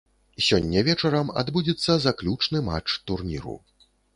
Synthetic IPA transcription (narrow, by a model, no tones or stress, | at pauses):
sʲɔnʲːɐvʲɛt͡ʂɐɾɐma̰d̪bud͡zʲɛt̪sːɐzaklʲut͡ʂnɨma̰t͡ʂt̪urnʲḭɾṵ